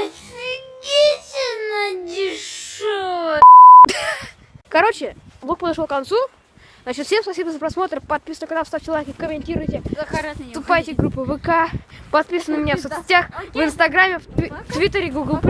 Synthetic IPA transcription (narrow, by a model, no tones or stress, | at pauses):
ɡʲetʲɪnəd̪ʲɪʂo | kɐɾot͡ɕɪbok̚pəd̪ɐʂlˠokɐnt̪su | znat͡ɕɪt̪fsʲe̞mspɐsʲibəzəpɾɐsmo̞t̪ɾəpɐt̪̚pʲisənəkɐnast̪aft͡ɕɪlˠɐvʲekəkəmʲɪnʲtʲiɾʊjtʲɪ | t̪ʊpajtʲɪɡɾupːɨvɨkapɐt̪̚pʲisənəmʲɪnʲafsot̪sʲɪ̥tʲaxvɨɪnst̪ɐɡɾamʲːɪft̪ft̪vʲit̪ːəɾʲɪɡuɡəlˠp